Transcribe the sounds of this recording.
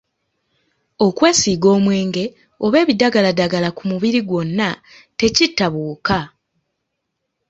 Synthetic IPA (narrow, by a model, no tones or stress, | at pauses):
o̞kwe̞ːsiːɡo̞ːmwe̞ːŋɡe̞ | o̞βe̞ːβidaɡaladaɡalakumuβiɾiɡwo̞nːa | te̞citːaβuːka